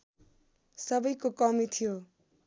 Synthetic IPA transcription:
sʌbʌjkokʌmit̪ʰijo

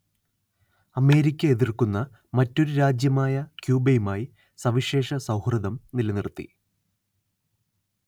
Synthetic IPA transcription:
ɐme̞ːɾikʲːɐeðirkunːɐ | mɐtːo̞ɾuɾaːd͡ʑjɐmaːjɐkjuːbejumaːji | sɐʋiʂe̞ːʂɐsɐwhrɐðɐmnilɐnirt̪ːḭ

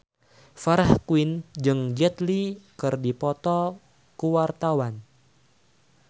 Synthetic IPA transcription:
faɾahkuwind͡ʒɨŋd͡ʒɛt̪likɨrdipɔt̪ɔ | kuwart̪awan

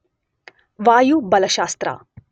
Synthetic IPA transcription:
ʋaːjubɐlɐʃaːst̪ɾa̰ː

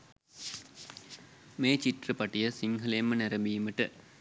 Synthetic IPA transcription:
meːt͡ɕiʈrɨpɐʈijəsiŋɦɐleːmənæɾɐmbiːməʈɨ

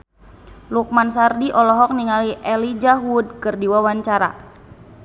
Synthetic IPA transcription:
luk̚mansardiʔɔlɔɦɔk̚niŋaliʔɛlid͡ʒaɦud̚kɨrdiwawaɲt͡ʃaɾa̰

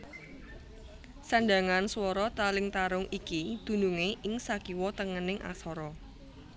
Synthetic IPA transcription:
saɳɖaŋanswɔɾɔt̪alɪŋt̪aɾʊŋikid̪̥ṳnuŋeɪŋsakiwɔt̪əŋənɪŋʔa̰sɔɾɔ

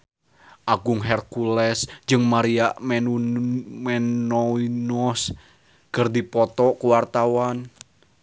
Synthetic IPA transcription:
ʔaɡʊŋɦɛrkulɛsd͡ʒɨŋmaɾiaʔmɛ | mɛnɔinɔs | kərd̪ipɔt̪ɔkuwart̪awan

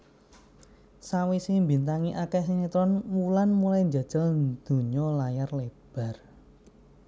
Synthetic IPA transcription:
sawisiŋmbint̪aŋiʔakɛsiŋit̪ɾɔnmulanmulajnd͡ʒa̤d̥ʒ̥ɔ̤nd̪̥ṳɲɔlajarleb̥a̤r

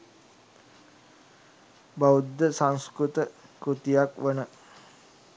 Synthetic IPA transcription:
baud̪ːəsaŋskɾut̪əkɾut̪ijakʋənə

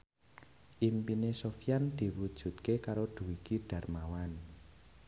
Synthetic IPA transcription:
ʔimpinesofijand̪̥i̤wud̥ʒ̥ṳt̪̚kekaɾod̪̥ṳwikiɖ̥ä̤rmawan

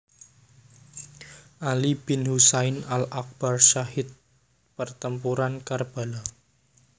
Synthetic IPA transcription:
ʔalib̥ɪnhusaɪnalak̚b̥arʃaɦɪt̪̚ | pərt̪əmpuɾankarb̥a̤la

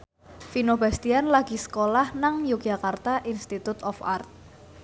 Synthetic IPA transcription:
finobast̪ianlaɡ̥i̤sə̥kolahnaŋjukd͡ʒa̤kart̪aʔinst̪it̪ut̪ɔfa̰rt̪̚

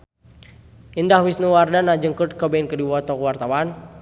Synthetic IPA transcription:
indahwisnuwardanad͡ʒəŋkut̪̚kəbɛnkədiwɔt̪ɔkuwart̪awan

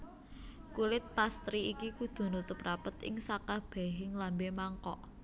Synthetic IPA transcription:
kulɪt̪̚past̪ɾiikikud̪̥o̤nut̪ʊprapət̪ɪ̰ŋsakab̥ɛ̤ɦɪŋlambemaŋkɔʔ

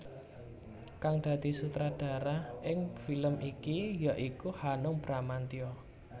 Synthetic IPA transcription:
kaŋd̪̥ä̤d̪̥i̤sut̪ɾad̪̥ä̤ɾahʔɪŋfiləmʔikijaʔikuhanʊŋb̥ɾamant̪iɔ

